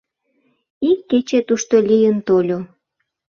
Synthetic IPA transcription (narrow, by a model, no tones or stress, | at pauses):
ikːet͡ɕet̪uʃt̪olʲijənt̪olʲo